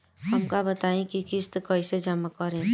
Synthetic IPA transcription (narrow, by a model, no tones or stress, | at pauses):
ɦəmkabət̪aĩkikist̪kɔjsed͡ʒəmakɔɾẽ